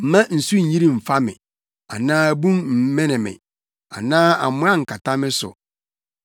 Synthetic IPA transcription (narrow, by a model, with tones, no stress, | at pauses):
m̩˨mã˦n̩˨su˦ɲ̩˨ɲĩ˦ɾĩ˨m̩˨fa˦mɪ̰̃˨ | a̰˨nãː˦bũ˦mm̩˨˦mɛ̃˦nɪ̃˨mɪ̰̃˨ | a̰˨nãː˦a̰˨mʊ̃˦ã˦ŋ̩˨kʰa˨tʰa˦mɪ̃˦sʊ̰˨